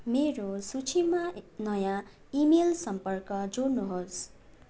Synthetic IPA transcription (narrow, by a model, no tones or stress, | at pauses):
meɾosut͡sʰimanʌjã | imelsʌmpʌrkʌd͡zornuɦos